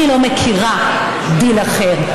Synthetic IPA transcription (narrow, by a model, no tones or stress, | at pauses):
ilomekʰiʁa | d̪ilaχeʁ